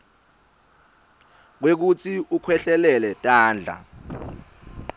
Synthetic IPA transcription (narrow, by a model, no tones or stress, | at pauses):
k̬wek̬ut͡sʰiukʰwɛɬɛlɛlɛtʼaːnd͡ɮʱa̰